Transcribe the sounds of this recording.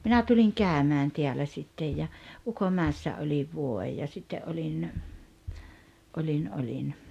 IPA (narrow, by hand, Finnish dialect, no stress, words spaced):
minæ tuliŋ kæˑømæːn teælæ ʔsitːej jɑ ukoʔmæːĕsːæ olʲiʋ ʋuoej jɑ sitːe ʔolʲin olʲin olʲin